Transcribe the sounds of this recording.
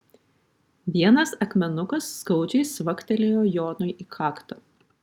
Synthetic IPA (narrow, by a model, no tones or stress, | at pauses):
ʋʲiɛnɐsɐkmʲɛnʊkɐsːkɐʊd͡ʒʲɛɪsʋɐkt̪ʲɛlʲejoːjoːnʊɪʔiːkʰɑːkt̪oː